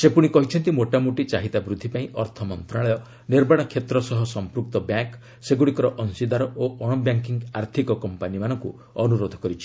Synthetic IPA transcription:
sepuɽ̃ikɔɦit͡ʃʰɔnt̪imoʈamuʈit͡ʃaɦit̪abɾud̪ʱːipaĩʔɔɾt̪ʰɔmɔnt̪ɾaɭɔjɔ | niɾbaɽ̃ɔkʰet̪ɾɔsɔɦɔsɔmpɾuk̚t̪ɔbjaŋk | seɡuɽ̃ikɔɾɔʔɔnsid̪aɾɔʔoʔɔɽ̃ɔbjaŋkiŋɡaɾt̪ʰikɔkɔmpanimanɔŋku | ɔnuɾod̪ʱɔ̥kɔɾit͡ʃʰi̥

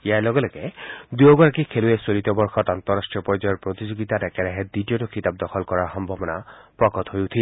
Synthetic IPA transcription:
jalɔɡɔleked̪ujoɡɔɾakikʰeluesolit̪ɔbɔɾxʰɔt̪ant̪ɔɾasʈɾijɔpɔɾd͡ʒɔjɔɾpɾot̪id͡ʒoɡit̪aɾɛkɛɾɛɦed̪iʈijɔʈɔkit̪ab̚d̪ɔkʰɔlkɔɾaxɔmbʱɔbɔnapɾɔkɔt̪ɦojut̪ʰi

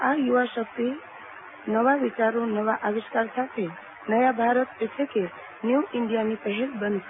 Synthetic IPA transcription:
ajuʋaʃək̚t̪i | nəʋaʋit͡ʃaɾonəʋaʔaʋiʃkaɾsat̪ʰe | nəjabʱaɾət̪ekʰike | njuʔɪɳɖijanipəɦilbənd̪

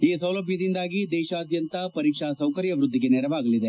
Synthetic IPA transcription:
iːsɐwlɐbʱjɐd̪ind̪aːɡid̪ɛːʃaːd̪jɐnt̪ɐpɐɾiːkʂasɐwkɐɾjɐʋɾud̪ʱːiɡe̞nɛɾɐʋaːɡɐlid̪e

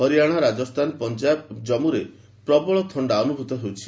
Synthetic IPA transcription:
ɦɔɾijaɽ̃aɾad͡ʒɔst̪ʰanpɔnd͡ʒabd͡ʒɔmuɾe | pɾɔbɔɭɔt̪ʰɔɳɖaɔnubʱut̪ɔɦewt͡ʃʰi̥

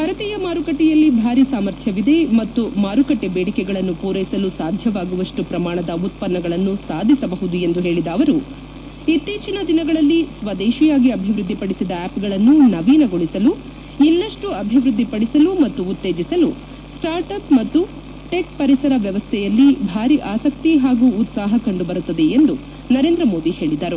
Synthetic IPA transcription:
bʱɐɾɐt̪iːjɐmaːɾukɐʈːɛjɐlːibʱaːɾisaːmɐɾt̪ʰjɐʋid̪e̞mɐt̪ːumaːɾukɐʈːebeːɽikɛɡɐɭɐnːupuːɾɐjsɐlusaːd̪ʱjɐʋaːɡuʋɐʂʈupɾɐmaːɳɐd̪ɐut̪̚pɐnːɐɡɐɭɐnːusaːd̪ʱisɐbɐɦud̪ujend̪uɦe̞ːɭid̪ɐːʋɐɾu | it̪ːiːt͡ʃinɐd̪inɐɡɐɭɐlːisʋɐd̪ɛːʃijaːɡiɐbʱiʋɾud̪ʱːipɐɽisid̪ɐæːpɡɐɭɐnːunɐʋiːnɐɡoɭisɐlu | ilːɐʂʈuɐbʱiʋɾud̪ːipɐɽisɐlumɐt̪ːuːt̪ːeːd͡ʒisɐlu | sʈaːɾʈɐpmɐt̪ːu | ʈe̞kpɐɾisɐɾɐʋjɐʋɐst̪ʰɛjɐlːibʱaːɾiʔaːsɐkt̪iɦaːɡuːt̪saːɦɐkɐɳɖubɐɾut̪ːɐd̪eend̪u | nɐɾeːnd̪ɾɐmo̞ːd̪ihe̞ːɭid̪ɐɾu

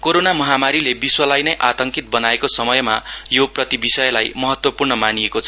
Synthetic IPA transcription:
koɾonamʌɦamaɾilebiswʌlajnʌjʔat̪ʌŋkit̪̚bʌnaekosʌmʌjmajoprʌt̪ibisʌjʌlajmʌɦʌt̪wʌpurnʌmaniekot͡sʰʌ

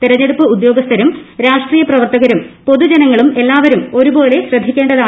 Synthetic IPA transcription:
t̪iɾɐɲːe̞ɽupːɨud̪jo̞ːɡɐst̪ʰɐɾumɾaːʂʈriːjɐprɐʋɐrt̪ɐɣɐɾumpo̞ðud͡ʑenɐŋːɐɭume̞lːaːʋɐɾumo̞ɾubo̞ːle̞ɕrɐd̪ʱːikʲːeːɳɖɐðaː

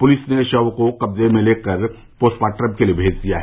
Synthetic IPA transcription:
pʊlɪsneʃɐʋkokɐbzemẽleːkəɾ | poːsʈpaːʈɾəmkeliebʱeːd͡ʒd̪ija̰ɦɛ

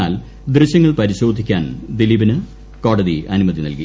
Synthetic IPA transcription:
aːl | d̪rɨɕjɐŋːɐɭpɐɾiɕo̞ːd̪ʱikʲːa̰ːnd̪iliːbɐnɨ | ko̞ːɽɐðiʔɐnumɐðinɐlki

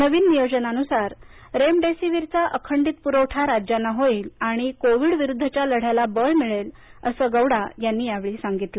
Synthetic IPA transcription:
nəʋiːnːijod͡ʑənanusaɾ | ɾemɖesiʋiɾt͡saʔəkʰəɳɖiːt̪̚puɾəwʈʰaɾad͡ʑjanːaɦoiːlaɽ̃ikoʋiːɽʋiɾud̪ʱːət͡ɕjaləɽ̤jalabəɭmiɭel | əsəːɡəwɽajanːiːjaʋɭiːsaŋɡit̪lə

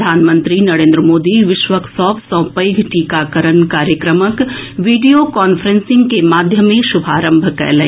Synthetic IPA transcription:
d̪ʱaːnmə̃nt̪ɾinɐɾẽːnd̪ɾəmoːd̪iʋɪʃʋəksɔːbsɔ̃ːpɐjɡʱʈiːkakəɾənkaːɾjəkɾəməkʋiːɖijokaːnfʰəɾẽnsɪ̃ŋɡkemaːd̪ʱjəmẽʃʊbʱaːɾə̃mbʱkɛ̰ːlẽː

